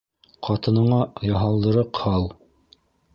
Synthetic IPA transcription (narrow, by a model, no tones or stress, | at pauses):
qɑt̪ɤ̆nɤ̆ɴɑjɑɦɑlˠd̪ɤ̆ɾɤqhɑlˠ